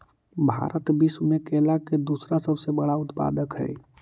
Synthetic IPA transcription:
bʱa̰ɾət̪bismekelaked̪usɾasəbʱsebəɽaʊt̪pa̰d̪əkɦɛ̰j

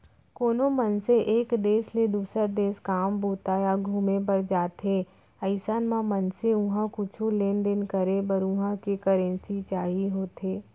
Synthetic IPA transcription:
koːnomɐnseʔeːkd̪eːsled̪uːsəɾd̪eːskaːmbuːt̪aːjaɡʱuːmep̬əɾd͡ʒaːt̪ʰɦe | əɪsaːnmãmɐnseʊɦãkʊt͡ʃʰuleːnd̪ɪnkəɾebəɾʊɦãkekəɾɛ̃nsit͡ʃaːɦiɦoːt̪eː

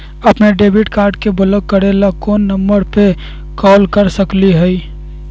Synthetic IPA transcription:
əpneɖeːbiʈkaːɾɖkebʊləɡ̚kːəɾelakoːnːəmbəɾpe | kɔːlkəɾsəkliɦəi

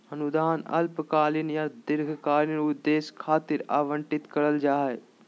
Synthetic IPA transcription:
ɐnʊd̪aːnɐ̰lpkaːlɪnjaːd̪ɪɾɡʱkaːɾɪnʊd̪ːeːskʰaːt̪ɪɾa̰ːʋə̃ɳʈɪt̪kɐɾəld͡ʒaːe

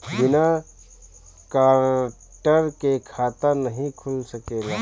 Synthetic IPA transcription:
bɪna | kaːɾ | ʈəɾkekʰaːt̪ənəɦĩkʰʊlsəkeːlaː

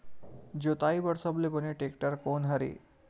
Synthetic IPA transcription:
d͡ʑot̪aibəɾsəblepəneʈekʈəɾkonɦaɾḭ

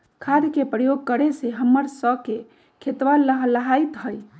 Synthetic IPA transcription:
kʰad̪kepɾəjoɡ̚kəɾeseɦəmːəɾsəke | kʰet̪ʋalləɦləɦajt̪ɦəj

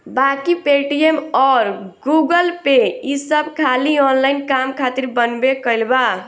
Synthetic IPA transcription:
bakipeʈiemɔɾɡuɡəlpeisəbʱkʰaliɔnlaɪnkamkʰat̪iɾbənbekəɪlba

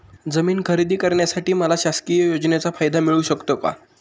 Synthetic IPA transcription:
d͡zəmiːnkʰəɾid̪ʱiːkəɾɳjasaʈiːməlaɕaskijəjod͡znet͡safajd̪amiɭuɕəkt̪oka̰

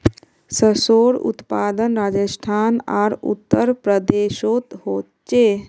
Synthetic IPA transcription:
səsoːɽṵt̪paːd̪ənɾaːd͡ʒəsʈʰaːna̰ːɾṵt̪ːəɾpɾəd̪eːʃoːt̪ɦoːt | t͡ʃeː

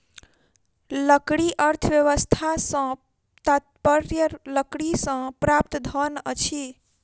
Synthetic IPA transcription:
ləkɽiʔəɾt̪ʰəʋjəʋəst̪ʰasə̃ | t̪at̪̚pəɾjələkɽisə̃pɾap̚t̪d̪ʱənət͡ʃʰi

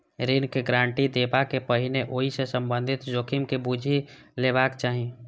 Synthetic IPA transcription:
ɾinkeɡɾãːɳʈid̪eːpakepəɦɪneʔoːɦisesə̃mbə̃nd̪ʱɪt̪d͡ʒoːkʰɪmkebud͡ʒʱi | leβaːkt͡ʃaːɦi

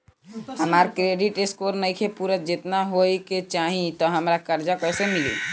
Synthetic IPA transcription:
həmaɾkɾeɖiʈeskoɾnəjkʰepuɾəd͡ʒet̪naɦojket͡ʃaɦĩt̪ɔɦəmɾakəɾd͡ʒakəsemilḭ

